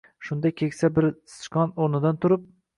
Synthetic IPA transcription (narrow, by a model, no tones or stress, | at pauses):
ʃʊnd̪ajkʲʰekʲsabɪɾst͡ʃkɒnoɾnɪd̪ant̪ʰʊɾɪp̚